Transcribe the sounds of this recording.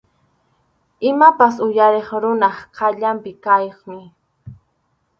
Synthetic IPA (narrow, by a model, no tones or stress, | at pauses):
ɪmapasʊjaɾeχɾʊnɑχqʰɑʎampɪkajχmɪ